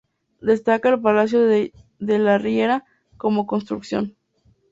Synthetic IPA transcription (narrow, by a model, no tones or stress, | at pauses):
d̪e̞st̪akaelp̬alas̬jo | ðelarieɾa | ko̞mo̞ko̞nst̪ɾuksjo̞̰n